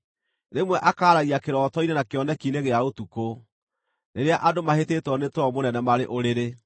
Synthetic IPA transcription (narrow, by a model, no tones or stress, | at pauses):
nemwɛʔakaːɾaɣiakeɾɔːtɔinenakeɔnɛkineɣeaotuko | neɾeaʔadomaheteːtwɔnetwɔmonɛnɛmaɾeʔoɾeɾe